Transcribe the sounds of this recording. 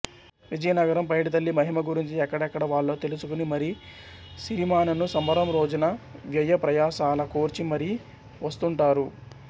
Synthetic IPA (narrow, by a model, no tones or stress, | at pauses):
ʋid͡ʒɐjɐnɐɡɐɾɐmpɐjʈit̪̬ɐlːimɐɦimɐɡuɾiɲt͡ʃiɛkːɐɽɐɛkːɐɽɐʋaːɭːo̞ːt̪e̞lusukunimɐɾi | siɾimaːnɐnusɐmbɐɾɐmɾo̞ːd͡ʒunɐʋjɐjɐpɾɐjaːsaːlɐkoːɾt͡ʃimɐɾi | ʋɐst̪uɳʈaːɾu